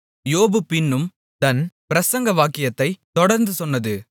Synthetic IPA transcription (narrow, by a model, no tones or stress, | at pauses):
joːbɯpɪnːɯm | t̪ɐnpɪɾɐsɐŋɡɐʋaːkɪjɐt̪ːɐɪt̪ɔɽɐɾnd̪ɯsɔnːɐðɯ